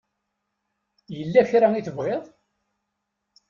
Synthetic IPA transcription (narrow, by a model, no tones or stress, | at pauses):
jəlːæçɾæiθəvʁeðˤ